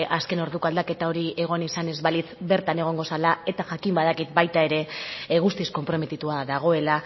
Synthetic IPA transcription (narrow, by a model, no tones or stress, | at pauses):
ʔaske̞no̞ɾðukoald̪ake̞t̪ao̞ɾiʔe̞ɣ̞o̞nisane̞zβalit͡sbe̞ɾt̪ane̞ɣ̞o̞ŋɡo̞salae̞t̪aʝakimbað̞akit̪bajt̪ae̞ɾe̞ɣust̪isko̞mpɾo̞me̞t̪it̪uaðaɣ̞o̞e̞la